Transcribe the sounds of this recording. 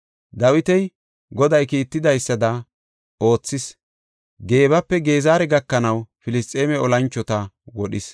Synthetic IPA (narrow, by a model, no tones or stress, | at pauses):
d̪ɐwɪt̪ɛj | ɡɔd̪ɐjkiːt̪ːɪd̪ɐjsːɐd̪ɐ | o̞ːt͡sːɪs | ɡe̞ːbɐpːɛɡe̞ːzaːɾɛɡɐkːɐnɐwfɪlɪst̪ʼːeːmɛɔlɐnt͡ʃːɔt̪ɐwɔɗɪs